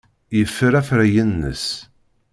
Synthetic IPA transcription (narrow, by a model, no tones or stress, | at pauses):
jəfːəɾæfɾæjənːə̰s